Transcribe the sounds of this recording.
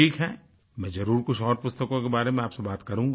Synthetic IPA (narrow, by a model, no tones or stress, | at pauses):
iːkɦɛː | mɛ̃ːzɐɾuːɾkʊt͡ʃʰɔːɾpʊst̪əkõkebaːɾemẽaːpsebaːt̪kɐɾũːŋɡaː